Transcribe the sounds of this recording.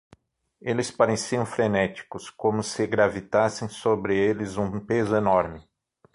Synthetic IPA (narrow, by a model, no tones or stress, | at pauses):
elɪspaɾesiɐ̃w̃fɾenɛt͡ʃi̥kʊskõmʊsɪɡɾavit̪asẽj̃sobɾɪelɪzũpezʊenɔɾmɪ